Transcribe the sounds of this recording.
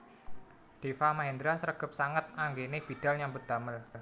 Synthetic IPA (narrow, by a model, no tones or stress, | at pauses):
d̪̥efamaɦind̪ɾasəɾəɡ̥ə̤p̚saŋət̪̚aŋɡenɪb̥i̤d̪̥a̤lɲambəd̪̥a̤məl